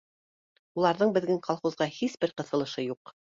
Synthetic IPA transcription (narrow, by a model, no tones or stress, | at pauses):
ulˠɑɾðɤɴbɘ̆ðɡɘŋqɑlˠχuzʁɑhisbɘɾqɤ̆θɤ̆lˠɤ̆ʃɤjuq